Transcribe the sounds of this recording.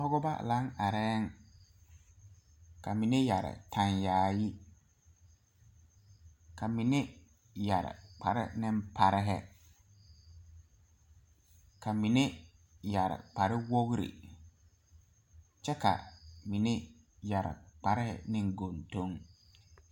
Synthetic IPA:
ɔ˦ɡɔ˦ba̰˦la˨˦ŋa˨ɾɛː˦ŋ˦ | ka˨mi˨ne˦ja˨ɾɪ̰˨tʰã˨njaː˨ji˦ | kʰa˨mi˨nɪ˦ | ja˨ɾɪ̰˨k͡pʰa˨ɾɪ̰˦nɪ̃˦mpʰa˨ɾɪ˦ɦɛ˦ | ka˨mi˨nɪ˦ | ja˨ɾɪ̰˨k͡pa˨ɾɪ˦wo˦ɣɾḭ˨ | t͡ʃɛ˦ka̰˨mi˨ne˦ | ja˨ɾɪ̰˨k͡pa˨ɾɪ˦hɛ̰˨nɪ̃˦ŋɡo˨nto˦ŋ

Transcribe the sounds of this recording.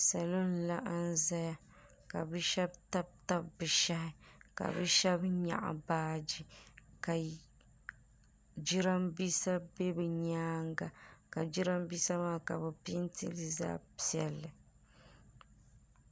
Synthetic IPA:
sa˨lo˦n˦˨la˦ʔa˦n˦za˦ja˦ | ka̰˨bɨ˦ʃɛ˦b̚ta˦b̚ta˦bbɨ˨ʃa˦hɪ˦ka̰˨bɨ˦ʃɛ˦bɲa̰˨ʔa̰˨baː˦d͡ʒi˨ka˨ | d͡ʒi˦ɾa˦mbi˦sa˦be˦bɨ˨ɲaː˦ŋɡa˨ka˨d͡ʒi˦ɾa˦mbi˦sa˦maː˦ka˨bɨ˨pi˦ntḭ˦lɨ˦za̰ː˦pi˦˨ɛ˨lːɨ˨

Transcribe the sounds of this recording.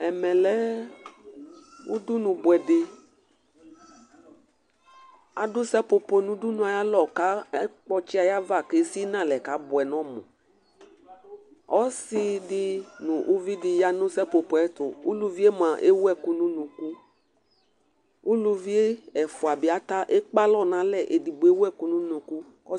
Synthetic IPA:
ɛ˨mɛ̃˨lɛ˦ | wu˦du˦nũ˨bo˨ɛ˨de˨ | a̰˨du˦sɛ˦po˨po˨nũ˦du˦nũ˦a˨ja˦lɔ˨ka˦k͡pɔ˦t͡ʃi˦a˨ja˦va˦˨ke˨si˦nã˦˨lɛ˨ka˨˦bɔ˨ɛ˨nɔ̃˦mɔ̰̃˨ | ɔ˦si˦di˦nũ˨ʔu˦vi˦di˨ja˦nʊ̃˦sɛ˦po˨po˨ɛ˦t̪ʊ˨ṵ˦lu˦vi˦e˦mã˨ʔe˦wu˦ɛ˦˨ku˦nũ˦nũ˨ku˦ | u˦lu˦vi˦e˦ɛ˨fʊ˨a˨bi˨˦a˨t̪a˦ʔe˦k͡pa˦lɔ˦˨nã˨˦lɛ˦˨ʔe˨di˨bo˨e˦wɛ˦˨ku˦nũ˦nũ˨ku˦ | kɔ˦

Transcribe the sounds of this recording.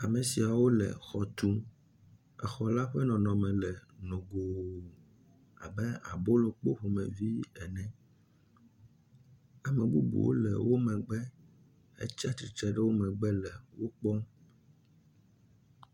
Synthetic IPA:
a˨mẽ˨si˨a˨wo˦lɛ̰˨xɔ˨t̪u˦ | ɛ˨xɔ˨la˦ɸɛ˦nɔ̃˨nɔ̃˨mɛ̃˨lɛ˨nõ˨ɡo˨ | a̰˨bɛ˦a̰˨bo˦lo˨k͡po˦ɸo˨mɛ̃˨vi˦ɛ˨nɛ̃˦ | a˨mɛ̃˨bu˦bṵ˨wo̰˦lɛ̰˨wo˦mɛ̃˨ɡ͡bɛ˦ | ḛ˦t͡ʃa˦t̪ɾi˨t͡ʃɛ˦ɖɛ˦wo˦mɛ̃˨ɡ͡bɛ˦lɛ˨wo˦k͡pɔ˦

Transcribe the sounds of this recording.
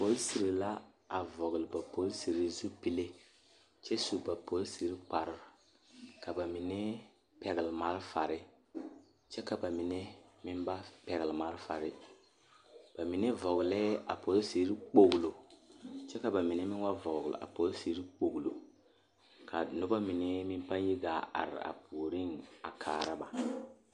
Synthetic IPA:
po˦lsi˨ɾi˨la˦ | a˨vɔ˨ɣʊ˨lɨ˨ba˨pʰo˨˦lsi˨ɾi˨˦zu˦pi˦le˦ | t͡ʃɛ˦su˨ba˨po˨˦lsi˨ɾi˦k͡pa˨ɾɪ˨ɾ | ka˨ba˨mi˨nɛ˦ | pɛ˨ɣɪ˨lɪ˨ma˦ɾfa˨ɾɪ˦ | t͡ʃɛ˦ka˨ba˨mi˨nɛ˦mɪ˦nba˦pɛ˨ɣɪ˨lma˦ɾfa̰˨ɾɪ˦ | b̥a˨mi˨nɛ˦vɔ˨ɡlɛ˦a˨po˨lo˦se˨ɾi˦k͡po˨ɡlo˨ | t͡ʃɛ˦ka˨ba˨mi˨nɛ˦mɪ˦wa˦vɔ˨ɡl̰a̰˨po˨lo˦si˨ɾi˦k͡po˨ɡlo˨ | kʰa̰˨nʊ˦ba˦mi˨nɛ˦mɪ˦npa˦n˦ji˦ɡa˨a̰˨ɾɪ̰˨a̰˨pʰuː˨ɾi˦˨ŋa˨kʰaː˨ɾa˦ba˨

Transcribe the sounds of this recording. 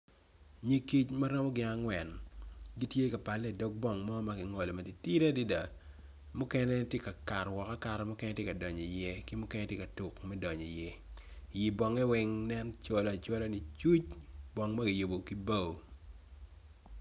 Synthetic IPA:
ɲi˦ki˦t͡ʃma˦ɾɔ˦mɔ˦ɡɪ˨a˦ŋwɛ˨nɡi˦tje˦ka˨pa˨lːɛ˨dɔ˦k̚bɔ˨ŋmɔ˦ma˦ɡɪ˨ŋɔ˨lɔ˨ma˨di˨ti˦ɾe˦di˦da˨ | mu˦kɛ˦nɛ˦tje˦ka˨ka˨ɾwɔ˨ka˦ka˨ɾɛ˦mʊ˦kɛ˦nɛ˦tje˦ka˨dɔ˨ɲɔ˨jɛ˦kɪ˦mʊ˦kɛ˦nɛ˦tje˦ka˨tu˨kmɛ˦dɔ˨ɲɔ˨jɛ˦ji˨bɔ˨ŋɛ˦wɛ˦ŋnɛ˦nt͡ʃo˦lt͡ʃɔ˦lo˦ni˨t͡ʃu˦t͡ʃbɔ˨ŋma˦ɡɪ˨jo˨bo˨ki˦ba˦˨

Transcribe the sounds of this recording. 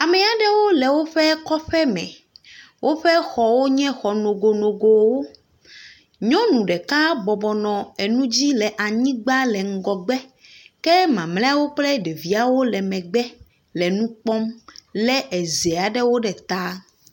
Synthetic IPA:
a˨mɛ̃˨a˨ɖɛ˦wo˦lɛ˨wo˦ɸɛ˦kɔ˦ɸɛ˦mɛ̰̃˨ | wʔo˦ɸɛ˦xɔ˨wo˦ɲɛ̃˦xɔ˨nõ˨ɡo˨nõ˨ɡo˨wo˦ | ɲɔ̃˦nũ˨ɖɛ˨ka˦bɔ˨bɔ˨nɔ̃˨e˨nũ˦d͡ʑi˦lɛ˨ʔa˨ɲĩ˦ɡ͡ba˦lɛ˨ŋ̩˨ɡɔ˨ɡ͡bɛ˦kɛ˦mã˨mlɛ̃˦a˦wo˦k͡plɛ˦ɖe˨vi˨a˨wo˦lɛ˨mɛ̃˨ɡ͡bɛ˦ | lɛ˨nũ˦k͡pɔ˦mlɛ˦ʔɛ˨ze˨a˨ɖɛ˦wo˦ɖɛ˨t̪a˦

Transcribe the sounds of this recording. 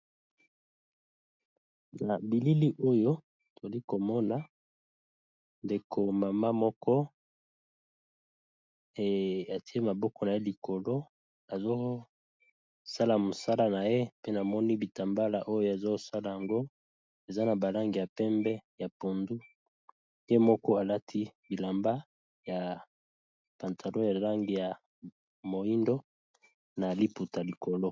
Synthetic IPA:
na˨bi˨li˦li˦ʔo˦jo˦ | to˨zli˦ko˨mɔ˦na˨ | nde˨kʰo˨ma˨ma˦mɔ˦kɔ˦ | e˨a˨ti˦e˦ma˨bɔ˦kɔ˨na˨je˦li˨ko˨lo˦ | a˨zo˦ | sa˦la˨mo˨sa˦la˦na˨je˦pe˦na˨mɔ˦ni˦bi˨ta˨mba˦la˨ʔo˦jo˦a˨zo˦sa˦la˨ja˨ŋɡo˦ | e˨za˦na˨ba˨la˦ŋɡi˨ja˨pɛ˦mbɛ˦ja˨po˨ndu˦ | je˦mɔ˦kɔ˦a˨la˦tʰi˦bi˨la˨mba˦ | ja˨ | pa˨ntʰa˨lõ˦ja˨la˦ŋɡi˨ja˨ | mo˨i˦ndo˦ | na˨li˦pu˨ta˨li˨ko˨lo˦

